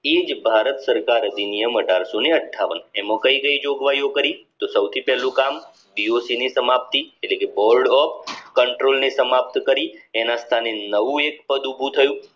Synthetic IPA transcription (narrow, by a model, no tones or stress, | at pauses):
ed͡ʒbʱaɾət̪səɾkaɾəd̪inijəməʈaɾsoneəʈʰːaʋənemõkəiɡəid͡ʒoɡʋajokəɾit̪osəwt̪ʰipɛɦlũkam | biosinesəmap̚t̪ieʈlekebɔɾɖɔp̚kəɳʈɾolnesəmap̚t̪kəɾienãst̪ʰanenəʋũek̚pəd̪ubʱũt̪ʰəjũ